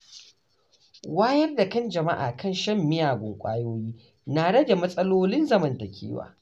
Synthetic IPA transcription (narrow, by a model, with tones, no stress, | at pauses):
waː˦jɐ˦rda˨kɐ˦nd͡ʒɐ˨ma̰˦ʔa̰ː˨kɐ˦˨nʃɐ˦mːɪ˦jaː˨ɡʷʊ˨ŋkʷʼa̰ː˦joː˦jiː˦ | naː˨ɽɐ˦da˨mɐ˦sʼɐ˦loː˦lɪ˦nzɐ˦mɐ˨ntɐ˨kʲḛː˦wa̰ː˨